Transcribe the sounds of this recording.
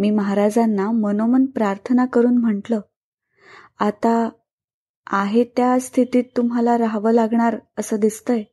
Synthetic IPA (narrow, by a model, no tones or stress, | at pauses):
miːməɦaɾad͡zanːamənomənpɾaɾt̪ʰənakəɾuːnm̤əɳʈləː | at̪a | aɦet̪jast̪ʰit̪iːt̪ːumɦalaɾaɦʋəːlaɡɳaɾəsəːd̪ist̪əj